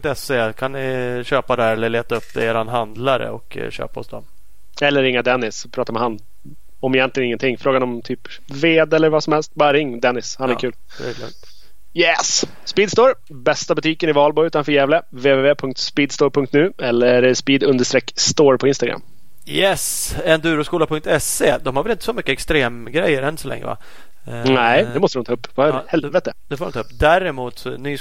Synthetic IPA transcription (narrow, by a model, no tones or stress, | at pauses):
ŋt̪ɛseːkʰannɪɕøːpad̪æɾɛlːəɭeːt̪aɵpːeːɾanɦand̪laɾə̰ɔ̰kɕø̰ːpaɔ̰sd̪ɔm | ɛlːəɾɪŋːad̪ɛnːɪspʰɾɑːt̪aɾmɛhanː | ɔmɛjɛnt̪lɪɡənɪŋːənt̪ʰɪŋːfɾoːɡanɔmt̪ʰyːp | veːd̪ɛlːəɾvasɔmhɛlst̪̚bɑːɾɾɪŋːd̪ɛnːɪshanæɾkʰʉ̟ːl̰ | jɛs | spiːd̪st̪oːɾ | bɛst̪abɵt̪ʰiːkənɪvɑːlbɔʉ̟ːt̪anfœːɾjæːvlə | veːveːveːpʰɵŋkt̪spiːd̪st̪oːɾpʰɵŋkt̪nʉ̟ːɛlːəɾspiːd̪ɵnd̪əʂt̪ɾɛkːst̪oːɾpʰɔɪnst̪aɡɾa̰mː | jɛsɛnd̪ʉːɾɔskuːlapʰɵŋkt̪ɛseːd̪ɔmhaɾvɛlɪnt̪ə̥sɔmʏkːəɛkst̪ɾeːmɡɾɛjːəɾɛnːsɔlɛ̰ŋːə̰va̰ | næɪd̪ɛmɔst̪ɾɔmnt̪ʰɑɵpːvahɾhɛlvɛt̪əd̪ɛfoːɾɔmɪt̪ʰːɵpːd̪æɾɪmuːt̪sɔny